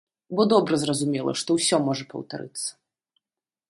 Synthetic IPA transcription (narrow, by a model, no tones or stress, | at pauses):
bɔd̪ɔbɾɐzrɐzumʲɛlˠɐ̰ʂt̪ɔwsʲɔmɔʐɐpɐ̰wt̪a̰ɾɨ̰t̪sːɐ̥